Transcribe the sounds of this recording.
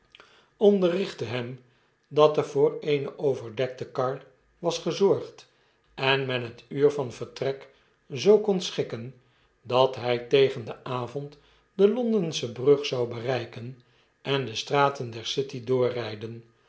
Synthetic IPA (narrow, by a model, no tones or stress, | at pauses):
ɔndərɪχtəɦɛm | dɑtəvʊːrejnəʔowvəɹdɛk̚təkɑɹt | ʋɑsχəzɔɹχt | ɛnmɛnɦətyːɹvɑnvəɹtrɛk | zowkonsχɪkən | dɑtɦɛjtejχəndəʔaːvɔnt | dəlɔndənsəbrɵχsɑwbərɛjkən | ʔɛndəstraːtəndɛɹsɪtidʊːrɛjdən